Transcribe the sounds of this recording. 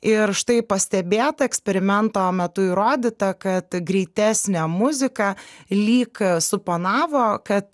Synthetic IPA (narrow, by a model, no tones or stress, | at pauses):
ɪɾʃt̪ɐɪpɐsʲt̪ʲɛbʲeːt̪ɐɛksʲpʲɛɾʲɪmʲɛnt̪oːmʲɛt̪ʊiːɾoːd̪ʲɪt̪ɐkɐt̪ɡɾʲɛɪt̪ʲæːsʲnʲɛmʊzʲɪkɐlʲiːksʊpoːnɑːʋoːkɐt̪